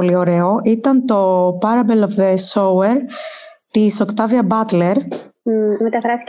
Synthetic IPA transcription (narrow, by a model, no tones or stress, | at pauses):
olio̞ɾe̞o̞ʔit̪ɐnt̪o̞pɐɾɐbelofðesoweɾt̪iso̞kt̪ɐviɐbɐt̪le̞ɾ | met̪ɐfɾɐsi̥